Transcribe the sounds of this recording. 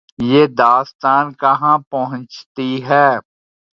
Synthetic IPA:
jeːd̪aːst̪aːnkɐɦãpɐɦʊ̃nt͡ʃt̪iɦɛː

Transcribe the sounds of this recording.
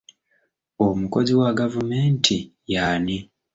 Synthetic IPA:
omuko̞ziwaɡavumeːntʰijaːni

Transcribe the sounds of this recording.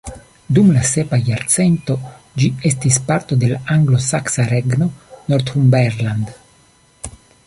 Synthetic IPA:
d̪umlase̞pajaɾt͡se̞nt̪o̞ | d͡ʒie̞stispaɾt̪o̞d̪e̞laaŋɡlo̞saksaɾeɡno̞noɾt̪humbeɾland̪

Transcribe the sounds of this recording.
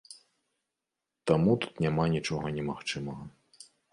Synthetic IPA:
t̪amut̪u̥t̪nʲamanʲit͡ʂɔɣɐnʲɛmaxt͡ʂɨmɐɣɐ

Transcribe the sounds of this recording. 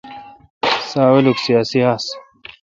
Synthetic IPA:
saːweluksijaːsiɦaːs

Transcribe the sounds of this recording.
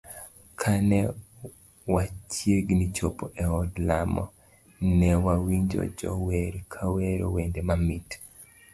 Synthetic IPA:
kʰanɛ | wat͡ʃjeɡnit͡ʃopoʔɛɔdlamɔ̰ | nɛwawiɲd͡ʒo̰d͡ʒɔ̰weɾkʰaweɾowendemamit

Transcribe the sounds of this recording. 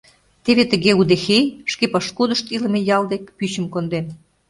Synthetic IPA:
t̪eβet̪ə̆ɣeud̪exejʃkepɑʃkud̪əʃt̪ilə̆mejɑld̪ekpyɕə̆mkond̪em

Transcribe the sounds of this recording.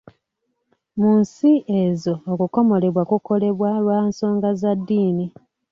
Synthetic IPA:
munsiʔezo̞ːkuko̞mo̞le̞βwakuko̞le̞βwalwaːnso̞ːŋɡazadːiːni

